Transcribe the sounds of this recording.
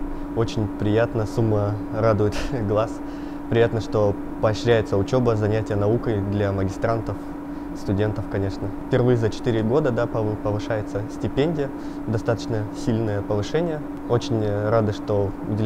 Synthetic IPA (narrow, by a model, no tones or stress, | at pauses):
o̞t͡ɕɪnʲpɾʲɪjat̪nəsumːə | rad̪ʊjɪt̪ɡlˠas | pɾʲɪjat̪nəʂt̪o̞ | pəɐɕɾʲæjɪt̪səʊt͡ɕo̞bəzɐnʲætʲɪjənɐukəjd̪lʲaməɡʲɪst̪ɾant̪əf | st̪ʊdʲe̞nt̪əfkɐnʲe̞ʂnəfʲpʲɪrvɨjəzət͡ɕɪ̥t̪ɨɾʲɪɡo̞d̪əd̪apəpəvɨʂajɪt̪səsʲtʲɪpʲenʲdʲɪjə | d̪ɐst̪at̪ət͡ɕnəsʲilʲnɨjəpəvɨʂɛnʲɪjə | o̞t͡ɕɪnʲɾad̪ɨʂt̪o̞ | ʊ̰dʲɪ